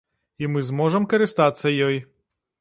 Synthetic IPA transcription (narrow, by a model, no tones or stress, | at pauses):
imɨzmɔʐɐmkɐɾɨst̪at̪sːɐjɔj